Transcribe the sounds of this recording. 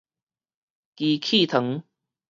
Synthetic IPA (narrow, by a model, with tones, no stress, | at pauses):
ki˨˩kʰi˥˧˨t̪ʰə˨˦ŋ